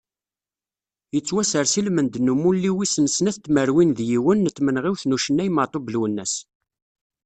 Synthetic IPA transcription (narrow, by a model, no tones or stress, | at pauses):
jət͡sːwæsəɾsilmənd̪nːumulːiwisənsnæθt̪ːməɾwinðjiwənːət̪ːmənʁiwθnuʃənːæjmɑt̪ˤobəlwənːæs